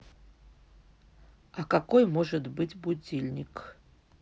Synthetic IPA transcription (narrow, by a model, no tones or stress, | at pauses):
akakojmoʐɨt̪bɨtʲbud͡zʲilʲnʲik